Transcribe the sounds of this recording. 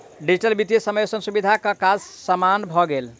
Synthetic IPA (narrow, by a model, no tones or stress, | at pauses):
ɖid͡ʒiʈəlbit̪jesəməjsənsubid̪ʱakəkad͡ʒsəmanbʱɔɡel